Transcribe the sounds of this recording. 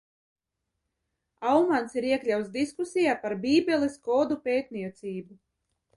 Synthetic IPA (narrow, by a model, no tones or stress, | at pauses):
awmansiɾiɛklʲawt̪sd̪iskusijaːpaɾbiːbʲɛlˠiskɔːd̪upʲeːt̪nʲiɛt̪siːbu